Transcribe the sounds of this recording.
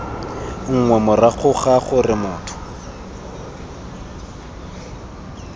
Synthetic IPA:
ŋ̩ŋwɛmʊraɣʰʊχaχʊrɪmʊːtʰʊ̥

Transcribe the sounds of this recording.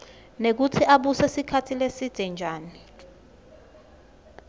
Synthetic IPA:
nek̬utʰiʔaɓusɛsikʰatʰilesid̥ʱɛnd͡ʒʱaːni

